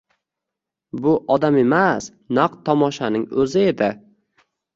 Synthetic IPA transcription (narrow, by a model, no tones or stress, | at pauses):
bʊʔɒd̪ame̞mas | nɑqt̪ʰɒmɒʃanɪŋɵzɪe̞d̪ɪ